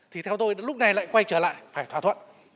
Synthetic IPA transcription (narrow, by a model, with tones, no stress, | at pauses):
t̪ʰi˨˩t̪ʰɛ˧wt̪o˧jlʊ˦˥k͡p̚na˨˩jla̰ː˧˨jkwa˧jt͡ɕəː˧˩la̰ː˧˨jfaː˧˩jt̪ʰwaː˧˩t̪ʰə̰˧˨n